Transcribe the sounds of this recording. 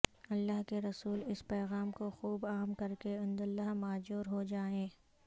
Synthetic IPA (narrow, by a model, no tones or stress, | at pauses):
ɐlːaːɦkeɾɐsuːlɪspɛːɣaːmkoxuːbaːmkɐɾkeɪ̃nd̪ɐlːaɦmaːd͡ʒuːɾɦod͡ʒaːẽː